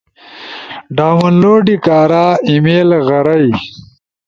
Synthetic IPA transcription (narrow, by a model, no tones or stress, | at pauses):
ɖaːmɐnloːɖikaːɾaːimeːlɣɐɾɐj